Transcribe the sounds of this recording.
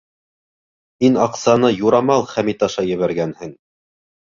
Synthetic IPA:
hinɑqsɑnɤjuɾɑmɑlˠχæmit̪ɑʃɑjɘ̆βæɾɡænhɘŋ

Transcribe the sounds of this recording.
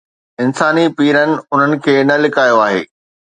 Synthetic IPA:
ɪnsaːnipiːɾənɪ̆ʊn̤ənɪ̆kʰeːnɐlɪkaːjoaːɦḛː

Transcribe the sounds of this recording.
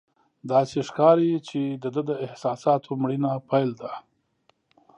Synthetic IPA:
d̪ɑseʂkɑɾit͡ʃed̪əd̪əd̪əɪhsɑsɑt̪ʰomɽinapʰajld̪a

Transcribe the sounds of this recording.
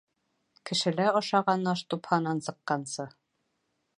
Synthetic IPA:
kɘ̆ʃɘ̆læɒʃɑʁɑnːɑʃt̪uphɑnɑnsɤ̆qːɑnsɤ

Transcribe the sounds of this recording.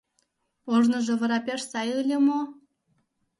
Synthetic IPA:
oʒnə̆ʒŏβə̆ɾɑpʲeʃsɑjɯlʲĕmo

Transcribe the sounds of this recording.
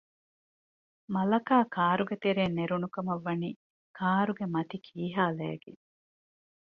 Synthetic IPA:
mɐlɐkaːkaːɾuɡet̪eɾeːnːeɾunukɐmɐʋːɐniː | kʰaːɾuɡemɐt̪ikʰiːɦaːlæ̰ːɡe

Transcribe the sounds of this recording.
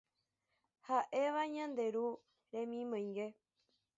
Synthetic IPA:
haʔeʋaɲãnd̪e̞ɾu | ɾẽ̞mĩmõj̃ŋɡe

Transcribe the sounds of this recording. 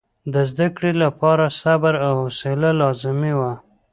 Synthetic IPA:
d̪əzd̪akɽilapɑɾasabɾawhosɪlalɑzɪmiwa

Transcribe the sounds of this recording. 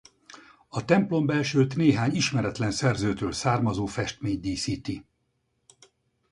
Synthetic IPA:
ɒt̪ɛmplo̞mbɛlʃølt̪neːɦaːɲiʃmɛɾɛt̪lɛnsɛrzøːt̪øːlsaːrmɒzoːfɛʃt̪meːɲd̪iːsiːt̪i

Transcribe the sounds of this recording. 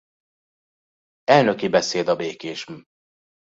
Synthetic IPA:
ɛlnøkibɛseːd̪ɒbeːkeːʃ

